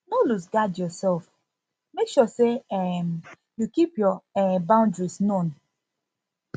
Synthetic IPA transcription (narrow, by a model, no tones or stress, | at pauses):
nolus̬ɡadjɔsɛlf | mekʃɔseɛm | jukipjɔɛbãʊ̃ndɹisnõn